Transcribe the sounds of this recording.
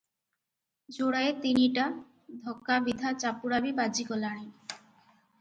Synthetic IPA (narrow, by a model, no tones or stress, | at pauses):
d͡ʑoɽaet̪iniʈa | d̪ʱɔkːabid̪ʱat͡ɕapuɽabibad͡ʑikɔlaɽ̃i